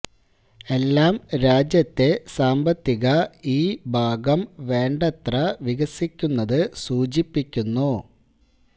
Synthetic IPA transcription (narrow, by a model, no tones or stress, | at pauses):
e̞lːaːmɾaːd͡ʑjɐt̪ːe̞saːmbɐt̪ːiɣɐiːbʱaːɡɐmʋe̞ːɳɖɐt̪rɐʋiɣɐsikʲːunːɐðɨsuːd͡ʑipːikʲːunːu